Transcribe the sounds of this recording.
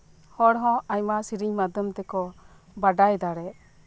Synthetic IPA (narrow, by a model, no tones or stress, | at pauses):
hɔɽɦɔ̃aɲmasiɾiɲmad̪ɔmt̪ɛkɔ | baɖajd̪aɽɛʔ